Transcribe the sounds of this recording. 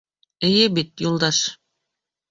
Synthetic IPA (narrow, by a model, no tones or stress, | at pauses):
ɘ̆jɘbit̪julˠd̪ɑʃ